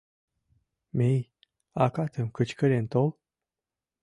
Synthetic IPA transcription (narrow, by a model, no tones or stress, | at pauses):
mej | akat̪ʰəmkɨt͡ʃkəɾent̪o